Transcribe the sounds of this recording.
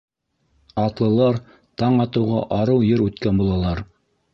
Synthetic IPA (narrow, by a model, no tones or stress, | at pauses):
ɑt̪lˠɤ̆lˠɑɾ | t̪ɑɴɑt̪ɤ̆wʁɑ̰ʔɑɾɤwjɘɾʉt̪kænbulˠɑlˠɑɾ